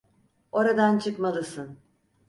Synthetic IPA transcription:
o̞ɾad̪ant͡ʃʰɯkmalˠɯsɯn

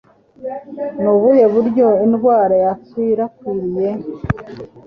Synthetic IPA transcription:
nuβuje̞βuɾɟo̞inɡwaːɾajat͡swiɾakiɾije̞

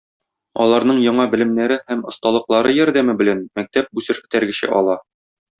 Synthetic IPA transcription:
ɒ̰lˠɑɾnɤɴjɒɴɑbɘ̆lɘ̆mnæɾɘhæmŏst̪ɑlˠɤ̆qlˠɑɾɤjɒɾd̪æmɘbɘ̆lænmæk̚t̪æp̚busɘʃɘ̆t̪æɾɡɘ̆ɕɘ̰ʔɒlˠɑ

